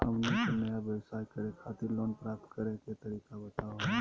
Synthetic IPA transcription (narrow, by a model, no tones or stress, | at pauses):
ɦə̰mlokonəjaʋjəwsaːikəɾekʰaːt̪iɾloːnpɾaːp̚t̪kəɾẽket̪əɾiːkabət̪aːo